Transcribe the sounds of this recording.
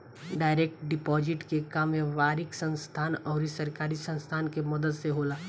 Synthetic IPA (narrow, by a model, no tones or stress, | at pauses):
ɖaːɪɾeːk̚ʈɖɪpɔːd͡ʒɪʈkekaːmeʋaːɾɪksɐ̃nst̪ʰaːnɔːɾisɐɾkaːɾisɐ̃nst̪ʰaːnkemɐd̪əd̪seɦoːlaː